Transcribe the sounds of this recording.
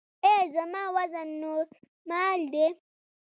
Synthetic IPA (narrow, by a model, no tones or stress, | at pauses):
ɛzamawazano | maldɛ